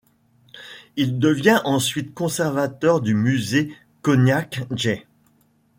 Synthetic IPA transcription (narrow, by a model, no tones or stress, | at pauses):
ild̪əvjɛ̃ʔɑ̃sɥit̪kɔ̃sɛʁvat̪œʁd̪ymyze | kɔnjakʒe